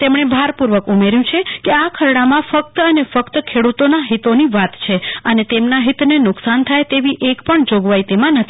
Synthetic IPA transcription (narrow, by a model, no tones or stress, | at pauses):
t̪emɳ̃ebʱaɾpuɾʋəkumeɾjũt͡ʃʰekeakʰəɾɽamãfək̚t̪ənefəkt̪əkʰeɽut̪onaɦit̪oniʋat̪t͡ʃʰeənet̪emnaɦit̪nenʊksant̪ʰajt̪eʋiʔekpəɳd͡ʒoɡʋait̪emãnət̪ʰi̥